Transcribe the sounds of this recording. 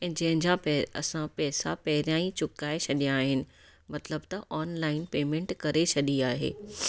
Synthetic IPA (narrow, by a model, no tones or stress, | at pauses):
ɛ̃ːd͡ʑɐ̃ɦɪ̃ɲd͡ʑãpɛɐ̰sãpɛːsa̰pɐɦɪɾijãːĩt͡ɕʊkaːet͡ɕʰɐɗijãːɦɪnɪ̆ | mɐt̪ləbt̪ɐʔɔːnlaːɪnpeːmẽɳʈkɐɾet͡ɕʰɐɗiaːɦḛː